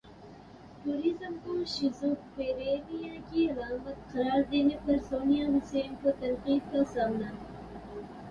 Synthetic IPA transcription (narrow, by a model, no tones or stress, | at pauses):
ʈuːɾizəmkoʃɪzupeːɾeːʋijãkiɐlaːmət̪qɐɾaːɾd̪eːnepɐɾsoːnijaːʋɪseːmkot̪ɐnqiːd̪̚kasaːmnaː